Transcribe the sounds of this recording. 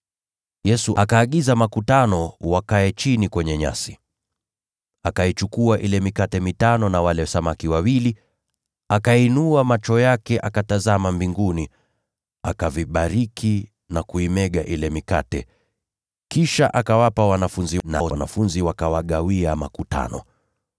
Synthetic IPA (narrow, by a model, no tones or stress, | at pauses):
jɛsuʔakaːɠizamakutanɔwakaɛt͡ʃinikwɛɲɛɲa̰si | akait͡ʃukuaʔilɛmikatɛmitanɔnawalɛsamakiwawili | akainuamat͡ʃɔjakɛʔakatazamambiŋɡuni | akaviɓaɾikʰi | nakuimɛɠaʔilɛmika̰tɛ | kiʃaʔakawapawanafunzina̰na̰funziwakawaɠawiama̰kuta̰nɔ̰